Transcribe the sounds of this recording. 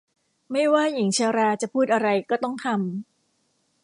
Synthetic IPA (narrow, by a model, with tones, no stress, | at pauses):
ma˥˩jwaː˥˩ji˨˩˦ŋt͡ɕʰɯ˧wɾaː˧t͡ɕa˨˩pʰuː˥˩t̪̚ʔa˧ɾa˧jkɔː˥˩t̪ɔ˥˩ŋt̪ʰa˧m